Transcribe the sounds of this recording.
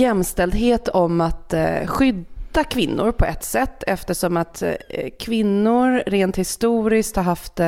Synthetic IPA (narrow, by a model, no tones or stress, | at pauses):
jɛmːst̪ɛld̪ɦeːt̪ʰɔmat̪ɧʏd̪akʰvɪnːʊ̰ɾpʰɔʔɛt̪ːsɛt̪ːɛft̪əʂɔmat̪kʰvɪnːʊɾɾeːnt̪hɪst̪uːɾɪskt̪haɾɦaft̪